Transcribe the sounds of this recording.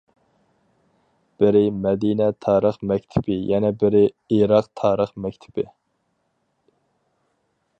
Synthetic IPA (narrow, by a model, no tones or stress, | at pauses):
b̥ɪɾɪmɛd̪inɛt̪ʰɑːɾəχmɛkʲt̪ʰɪ̥pɪjɛnɛbɪɾɪ | iɾɑq̚t̪ʰɑːɾəχmɛk̚ʲt̪ʰɪ̥bɪ